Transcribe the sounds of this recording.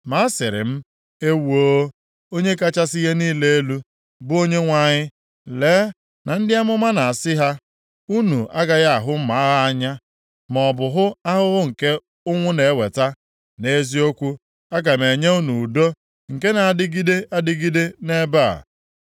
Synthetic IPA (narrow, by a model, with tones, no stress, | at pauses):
ma˦sɪ˨ɾɪ̰˨m̩˦ | e˦wo˦ | o˦ɲe˦ka˦t͡ʃa˦sɪ˦ɣe˦niː˦le˦e˦lu˦ | bʊ˦o˦ɲe˦ŋʷa˦˨ɲɪ˦ | leː˨˦ | na˨n̩˦dɪ˦a˦mʊ˦ma˦na˨a˨sɪ˦ɦa˦ | u˦nu˨a˦ɡa˨ɣa˦a˨ɦʊ˦m̩˦ma˨˦ɣa˦ɲa˦ | mɔ˨bʊ˨ɦʊ˦a˦ɦʊ˦ɣʊ˦ŋ̩˨ke˦ | ʊ˦ŋʷʊ˦ne˨˦we˨ta˦ | ne˦zi˦o˦kʷu˦ | a˦ɡa˨me˨ɲe˦u˦nu˨do˦ | ŋ̩˨ke˦na˨a˨dɪ˦ɡi˦de˦ʔa˦dɪ˦ɡi˦de˦ne˦ba̰˦˨